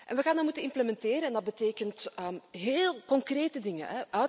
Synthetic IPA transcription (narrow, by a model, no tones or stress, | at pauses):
ʔɛ̰nʋəɣaːndəmutənɪmpləmɛnteːɾənɛndɑd̚bəteːkəntəmɦeːlˠkɔŋkreːtədɪŋə̰nɛʔœ